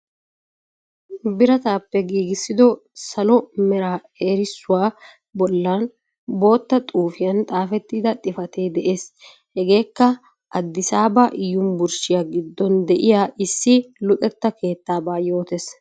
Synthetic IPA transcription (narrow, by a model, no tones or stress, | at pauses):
bɪɾɐt̪aːpːɛɡiːɡɪsːɪd̪ɔsɐlɔmɛɾaː | eːɾɪsːʊwaː | bɔlːaːn | bo̞ːt̪ːɐt̪ʼuːfɪjɐnt̪ʼaːfɛt̪ːiːd̪ɐt̪ʼɪfɐt̪eːd̪ɛʔe̞ːs | hɛɡe̞ːkːɐ | ʔɐd̪ːɪsaːbaʔɪjʊmbʊɾʃɪjaɡɪd̪ːɔnd̪ɛʔɪjaːʔɪsːɪlʊt̪ʼɛt̪ːɐke̞ːt̪ːaːbaːjo̞ːt̪es